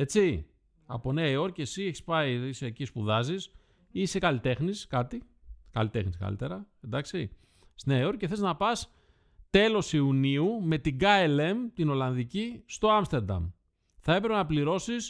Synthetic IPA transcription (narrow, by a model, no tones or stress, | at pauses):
e̞t͡si | ɐ̰poneɐio̞ɾce̞sieçi̥spɐiisecispuðɐzis | isekɐlit̪e̞xniskɐt̪i | kɐ̰lit̪e̞xniskɐ̰lḭt̪e̞ɾɐend̪ɐksi | sneɐeo̞ɾceθeznɐpɐs | t̪e̞lo̞siuniume̞t̪iɡɐele̞mt̪ino̞lɐnðicist̪o̞ɐmst̪e̞ɾd̪ɐ̰m | θɐe̞pɾepenɐpliɾo̞sis